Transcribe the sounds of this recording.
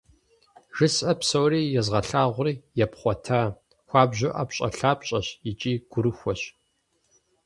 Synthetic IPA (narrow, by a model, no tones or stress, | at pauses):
ʒɨsɐpsowriːjɛzʁɐɬaːʁʷʊriːjɛpχʷɔtʰaː | xʷaːbʑʊʔapɕʼɐ̰ɬaːpɕʼɐɕit͡ʃʼiːɡ̥ʷʊɾɨxʷɔɕ